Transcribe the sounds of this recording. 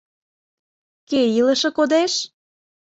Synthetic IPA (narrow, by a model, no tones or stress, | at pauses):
kejiləʃɤ̆kod̪eʃ